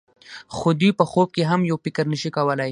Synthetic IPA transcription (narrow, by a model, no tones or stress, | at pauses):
xod̪ujpəxob̚keɦamjawpɪkəɾnəʃikawəlaj